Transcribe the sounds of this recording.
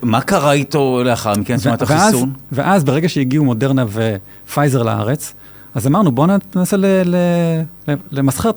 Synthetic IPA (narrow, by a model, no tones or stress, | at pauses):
makaʁait̪o̞leaχaʁmikensvmat̪aχiaszunveʔazbeʁeɡaʃejiɡiumo̞de̞ʁnave | fajze̞ʁla̰a̰ʁet͡s | azamaʁnubo̞nnaselelelelemasχet